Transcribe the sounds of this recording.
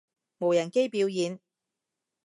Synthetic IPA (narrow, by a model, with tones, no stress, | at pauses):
mo˨wjɐ˨˩nke˥jpiː˨˥wjiː˨˧n